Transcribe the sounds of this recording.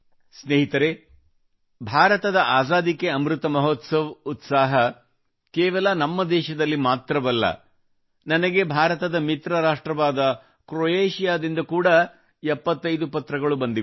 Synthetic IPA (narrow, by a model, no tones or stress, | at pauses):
sneːɦit̪ɐɾe | bʱaːɾɐt̪ɐd̪ɐʔaːzaːd̪ikeɐmɾut̪ɐmɐɦɔt̪sɐʋut̪saːɦɐ | kɛːʋɐlɐnɐmːɐd̪ɛːʃɐd̪ɐlːimaːt̪ɾɐbɐlːɐ̰ | nɐnɐɡe̞bʱaːɾɐt̪ɐd̪ɐmit̪ɾɐɾaːʂʈɾɐʋaːd̪ɐ | kɾojeːʃijaːd̪ind̪ɐkuːɽɐ | ɛpːɐt̪ːɐjd̪upɐt̪ɾɐɡɐɭubɐnd̪i